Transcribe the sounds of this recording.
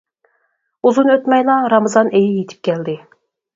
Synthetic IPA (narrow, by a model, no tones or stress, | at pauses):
uzunøt̪mɛjlˠɑɾɑmɨzɑnʔejɛjet̪ʰɪ̥p̚kʲʰɛld̪ɪ